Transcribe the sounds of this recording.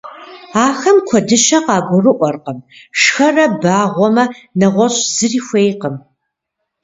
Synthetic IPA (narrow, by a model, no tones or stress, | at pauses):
aːxɐmkʷʰɔdɨʃɐqɑːɡʷʊrɨʔʷɔrqəmʂxɐrɐbaːʁʷɔmɐnɐʁʷɔɕʼz̥ɨriːxʷeːjqəm